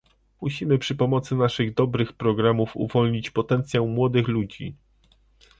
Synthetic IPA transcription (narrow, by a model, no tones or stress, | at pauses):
muɕimɘpʂɘpɔmɔt̪sɘnaʂɘɣd̪ɔbɾɘxpɾɔɡɾamufṵvɔlɲit͡ɕpɔt̪ɛnt̪sʲjawmwɔd̪ɘxlud͡ʑḭ